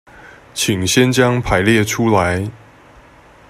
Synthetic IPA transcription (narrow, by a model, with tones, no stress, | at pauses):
t͡ɕʰi˨˩ŋɕjɛ˦nt͡ɕjɑ˦ŋpʰa˨˦ɪljɛ˥˨ʈ͡ʂʰu˦la˨˦ɪ